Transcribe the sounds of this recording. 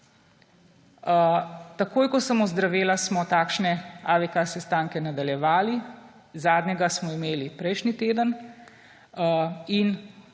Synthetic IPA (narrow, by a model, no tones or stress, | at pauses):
t̪akoːjkɔsɐmɔzd̪ɾaʋeːlasmɔt̪aːkʃnɛaʋɛkasɛst̪aːŋkɛnad̪aljɛʋaːli | zaːd̪ɲɛɡasmɔimeːlipɾɛjʃnit̪eːd̪ən | in